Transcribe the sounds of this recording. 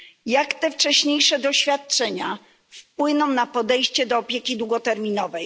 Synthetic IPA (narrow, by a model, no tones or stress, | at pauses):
jakt̪ɛft͡ʂɛɕɲejʂɛd̪ɔɕfʲjat̪̚t͡ʂɛɲa | fpwɘnɔ̃w̃napɔd̪ɛjɕt͡ɕɛd̪ɔːpʲjekʲid̪wuɡɔt̪ɛɾmʲinɔvɛj